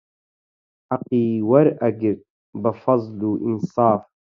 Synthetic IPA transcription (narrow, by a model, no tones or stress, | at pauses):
aqʼiːwaɾaɡʲɪrtʼ | bafɑzˤluʔinsɑːf